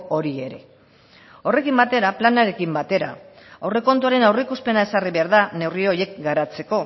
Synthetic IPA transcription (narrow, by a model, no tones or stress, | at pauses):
o̞ɾie̞ɾe̞ | o̞re̞kimbat̪e̞ɾaplanaɾe̞kimbat̪e̞ɾa̰ | awre̞ko̞nt̪̬uaɾe̞nawre̞ikuspe̞nae̞sariβe̞aɾðane̞wrio̞je̞kɡaɾat͡se̞ko̞